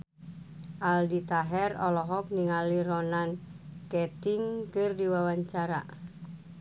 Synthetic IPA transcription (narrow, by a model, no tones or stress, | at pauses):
ʔaldit̪aɦɛrɔlɔɦɔk̚niŋalirɔnankɛt̪iŋkɨrdiwawaɲt͡ʃaɾa̰